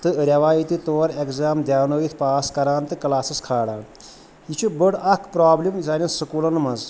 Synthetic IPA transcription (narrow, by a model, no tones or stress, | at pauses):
t̪ɨɾʲɐʋaːjit̪it̪oːɾekzaːmd̪jaːʋnɐʋit̪ʰpaːskɐɾaːnt̪ɨkɐlaːsɐskʰaːɽaː | it͡ʃʰibəɽɐkʰpɾaːblimzaːnʲĩsɐkuːlɐnmɐz